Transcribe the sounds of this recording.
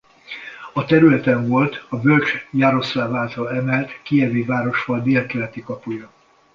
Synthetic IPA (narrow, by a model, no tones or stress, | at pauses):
ɒt̪ɛɾylɛt̪ɛɱvo̞lt̪ɒbølt͡ʃjaɾo̞slaːvaːlt̪ɒlɛmɛlt̪kiɛveːvaːɾo̞ʃʋɒld̪eːlkɛlɛt̪ikɒpujɒ